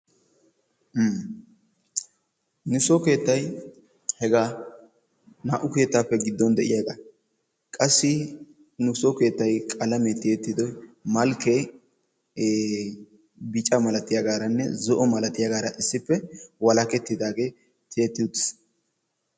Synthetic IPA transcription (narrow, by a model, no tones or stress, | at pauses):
nʊsɔke̞ːt̪ːɐj | hɛɡaː | naːʔʊke̞ːt̪ːaːpːɛɡɪd̪ːɔnd̪ɛʔɪjaɡa | kʼɐsːɪ | nʊsɔke̞ːt̪ːɐjkʼɐlɐmɛt̪eːt̪ːɪd̪ɔjmɐlkːe | bɪt͡ʃʼɐmɐlɐt̪ɪjɐɡaːɾɐnːɛ̰zɔʔɔmɐlɐt̪ɪjɐɡaːɾɐʔɪsːɪpːɛwɐlɐkɛt̪ːɪd̪aːɡe̞ː | t̪ʰeːt̪ːɪʊt̪ːɪ̥s